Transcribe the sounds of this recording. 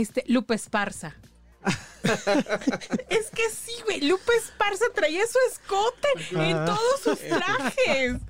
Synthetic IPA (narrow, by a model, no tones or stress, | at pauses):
est̪elupespaɾsa | eskesiɣwejlupe̞spaɾsat̪ɾaiasue̞sko̞t̪eent̪o̞ðosust̪ɾaxes